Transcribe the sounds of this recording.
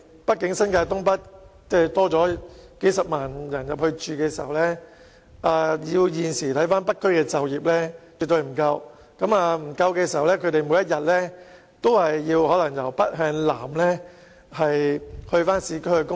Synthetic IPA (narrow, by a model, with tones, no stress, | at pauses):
pɐ˥t̚kɪ˨˥ŋsɐ˥nkaː˧t̪ʊ˥ŋp̬ɐ˥t̚t͡sɛː˥˩t̪ɔː˥t͡sɔː˨˥ke˨˥jsɐ˨p̚maː˨njɐ˨˩njɐ˨p̚hɵ˧ɥt͡ʃyː˨kɛː˧siː˨˩hɐ˨˩wlɛː˥ | ʔaː˨˧jiː˧wjiː˨nsiː˨˩t̪ʰɐ˨˥jfaː˥npɐ˥t̚kʰːɵ˥ɥkɛː˧t͡sɐ˨wjiː˨p̚lɛː˥t͡sy˨t̪ɵ˧ɥm̩˨˩kɐ˧w | kɐ˨˥maː˧m̩˨˩kɐ˧wkɛː˧s̬i˨˩ɦɐ˨wlɛː˥kʰɵ˧ɥt̪e˨jmuː˨˥jɐ˥t̚jɐ˨t̚lɛː˥ | t̪o˥whɐ˨jːiː˧whɔː˨˥lɐ˨˩ŋjɐ˨˩wpɐ˥t̚ɦœː˧ŋla̰ː˨˩mlɛː˥ | hɐ˨jhɵ˧ɥfaː˥nsiː˨˧˥kɵ˥ɥhɵ˧kʊ˥